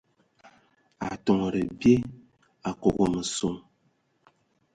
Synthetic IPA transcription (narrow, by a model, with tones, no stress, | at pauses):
a˨tɔ˨ŋ˨ɾə˨bje˦ | a˨ko˨ɣɔ˨mə˨so˨ŋ